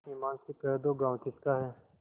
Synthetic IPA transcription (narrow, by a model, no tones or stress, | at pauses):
imãːnsepɛːɾd̪oɡãːw̃kɪskaɦɛː